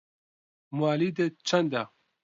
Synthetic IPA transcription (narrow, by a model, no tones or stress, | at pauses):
mwaːliːd̪et͡ʃʰɐnd̪a